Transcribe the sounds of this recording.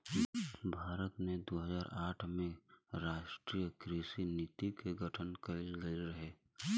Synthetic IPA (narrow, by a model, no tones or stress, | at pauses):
bʱaːɾət̪ned̪oːɦəzaːɾaːʈʰmẽɾaːʃʈɾiːjəkɾiʃinɪt̪ikeɡəʈʰənkəɪldəɾəɦeː